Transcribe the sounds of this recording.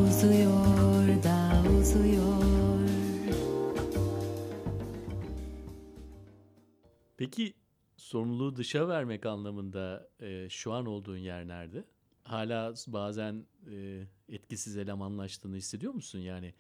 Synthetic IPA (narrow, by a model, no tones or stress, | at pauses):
uzujoɾd̪auzujoɾ | pecʰi | so̞ɾumlˠuːd̪ɯʃavæɾmɛcanlˠamɯnd̪aɯʃuano̞lˠd̪uːnjæɾlʲæɾd̪ɪ | haːlʲaːbaːzænɛːɛt̪cisizelʲamanlˠaʃt̪ʰɯːnɯhisːe̞d̪ijo̞ɾmusunjaːnɪ